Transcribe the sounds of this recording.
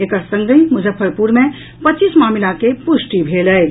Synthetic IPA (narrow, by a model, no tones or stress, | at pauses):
eːkəɾsə̃ŋɡəĩmʊzəfʰːəɾpuːɾmẽ | pɐtːt͡ʃiːsmaːmɪlakepʊʃʈibʱeːlɛ